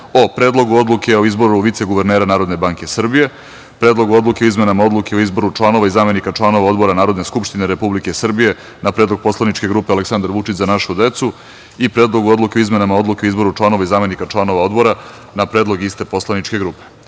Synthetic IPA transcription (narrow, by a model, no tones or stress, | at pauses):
opɾe̞ːd̪lˠo̞ɡuo̞d̪lˠukʰe̞oizbo̞ɾuʋit̪seɡuʋeɾneːɾanaːɾod̪ne̞baŋke̞sr̩bije̞ | pɾe̞ːd̪lˠo̞ɡuo̞d̪luke̞oizmenamao̞d̪lˠuke̞oizboɾut͡ʂlˠano̞ʋaizaːme̞nikat͡ʃlˠano̞ʋao̞d̪bo̞ɾanaːɾo̞d̪ne̞skupʃt̪ineɾepublike̞sr̩bije | napɾed̪lˠoɡ̚po̞slanit͡ʃke̞ɡɾuːpealeksand̪aɾʋuʈ͡ʂit͡ɕzanaʃud̪e̞t̪su | ipɾe̞ːd̪lˠo̞ɡuo̞d̪lˠuke̞oizme̞namao̞d̪lukeoizbo̞ɾuʈ͡ʂlˠano̞ʋaizaːme̞nikat͡ʂlˠano̞ʋao̞d̪bo̞ɾa | napɾeːd̪lˠo̞ɡist̪e̞po̞slˠaniʈ͡ʂke̞ɡɾuːpe̥